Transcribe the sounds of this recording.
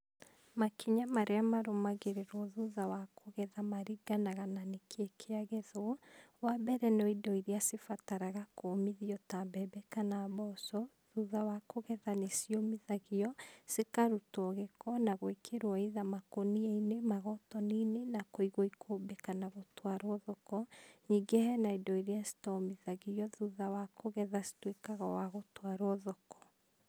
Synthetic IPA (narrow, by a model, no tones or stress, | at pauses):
makiɲamaɾeamaɾomaɣeɾeɾɔðuðawakʰoɣɛðamaɾiɡanaɣananekʰekʰeaɣɛðɔwabɛɾɛnoidɔiɾiasefataɾaɣakomiðiɔtambɛbɛkanaβɔsɔ | ðuðawakoɣɛðanesiomiðaɣiɔsekaɾutɔɣekɔnaɣoekʰeɾwɔiðamakoniɛinemaɣɔtɔninenakoiɣoikʰoːbekanaɣotwaɾwɔðɔkɔɲiɡehɛnaidɔiɾeasi̥tɔmiðaɣiɔðuðawakʰoɣɛðasi̥twekaɣawaɣotwaɾwɔðɔkɔ̥